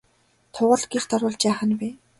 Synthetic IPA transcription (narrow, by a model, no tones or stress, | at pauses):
t̪ʰʊːʁə̆ɮɡixt̪ɔɾʊːɮt͡ɕæːχə̆npeː